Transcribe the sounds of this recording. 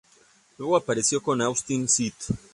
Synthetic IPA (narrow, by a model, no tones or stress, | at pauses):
lweɣoapaɾe̞sjo̞ko̞nawst̪insit̪